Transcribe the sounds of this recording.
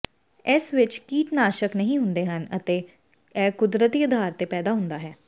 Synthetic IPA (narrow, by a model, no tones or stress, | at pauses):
ɪsʋɪt͡ʃkiːt͡ʃnaːʃəknəɦĩːɦʊnd̪eːɦənə̰t̪eː | ɛːkʊd̪ɾət̪iːʊd̪ʱaːɾt̪eːpɛːd̪aːɦʊ̃nd̪aːɦɛː